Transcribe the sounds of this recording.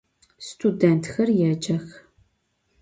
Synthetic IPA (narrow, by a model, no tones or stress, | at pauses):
stʰudɛntʰxɐrjaːd͡ʒɐx